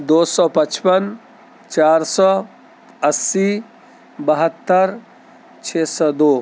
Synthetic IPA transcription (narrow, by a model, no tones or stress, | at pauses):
d̪oːsɔːpət͡ʃpən | t͡ʃaːɾsɔː | əsi | bəɦət̪ːəɾ | t͡ʃʰeːsɔːd̪oː